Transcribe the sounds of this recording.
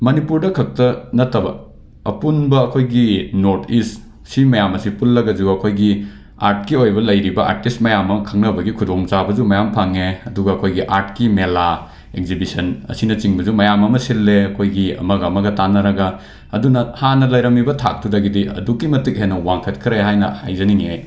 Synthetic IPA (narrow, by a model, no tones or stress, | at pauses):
mɐnipuɾdɐkʰɐk̚tɐnɐtːɐbɐ̰ | ɐpunbɐːkʰojɡinoɾtʰist | simɐjamɐsipulːɐɡɐd͡ʒuɐkʰojɡi | a̰ɾt̚kiojbɐlɐjɾibɐʔa̰ɾtist̚mɐjamɐkʰɐŋnɐbɐɡikʰudoŋt͡ʃabɐd͡ʒumɐjampʰaŋeɐduɡɐːkʰojɡiʔaɾt̚kimela | ek̚zibisɐnɐ̰sinɐt͡ʃiŋbɐzumɐjamɐmɐsilːeɐkʰojɡiɐ̰mɐɡɐːmɐɡɐtanɐɾɐɡɐ | ɐdunɐhanɐlɐjɾɐmibɐtʰa̰k̚tʰudɐɡidiɐ̰dukːimɐtik̚ɦenːɐwaŋkʰɐt̚kʰiɾeɦajnɐ̰hajzɐniŋej